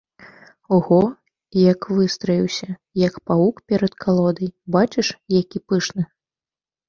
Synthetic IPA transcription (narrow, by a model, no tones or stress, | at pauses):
ɣɔ | jɐkvɨst̪ɾɐjʲiwsʲɐjɐkpaukpʲɛɾɐt̪kʰalˠɔd̪ɐjbat͡ʃɨʂjakʲipɨʂnɨ